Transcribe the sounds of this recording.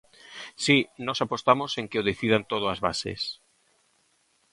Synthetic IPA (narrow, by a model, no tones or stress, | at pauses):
sinɔsapost̪amoseŋkeoðeθið̞ant̪oð̞oazβasḛs